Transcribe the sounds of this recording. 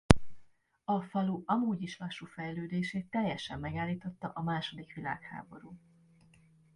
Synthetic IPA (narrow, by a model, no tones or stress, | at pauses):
ɒfɒluʔɒmuːɟiʃlɒʃufɛjløːd̪eːʃeːt̪ːɛjːɛʃɛmːɛɡaːlːiːt̪o̞t̪ːɒʔɒmaːʃo̞d̪ikʋila̰ːkha̰ːbo̞ɾuː